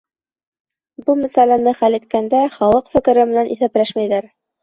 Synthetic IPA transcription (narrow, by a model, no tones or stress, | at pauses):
bɤlˠmæsælænɘχælit̪̚kænd̪æχɑlˠɤqfɘ̆kɘ̆ɾɘmɘ̆nænʔḭθæplæʃmæjðæɾ